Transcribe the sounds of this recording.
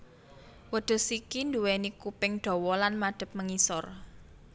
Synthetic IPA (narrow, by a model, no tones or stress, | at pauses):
wəɖ̪̥ə̤sikind̪uwɛnikupɪŋɖ̪̥ɔ̤wɔlanmaɖ̪̥ə̤p̚məŋisɔr